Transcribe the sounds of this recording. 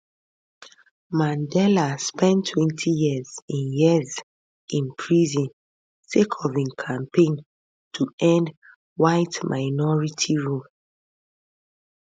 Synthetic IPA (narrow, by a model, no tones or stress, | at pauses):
mãndɛlaspɛ̃ntʰːwɛ̃ntʰijizĩnjiəz | ĩnpʰɹizĩn | sekʰɔvĩnkʰãmpẽn | tʰuɛ̃nd | waɪtmʔaɪnɔɹitʰiɹul